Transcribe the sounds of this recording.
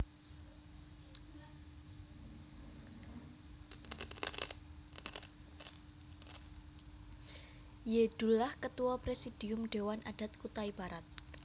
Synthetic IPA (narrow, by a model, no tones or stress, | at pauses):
jeɖ̥ṳlahkət̪uwɔpɾesid̥i̤ʊmɖ̥ewanʔa̰ɖ̥a̤t̪̚kut̪aibaɾat̪̚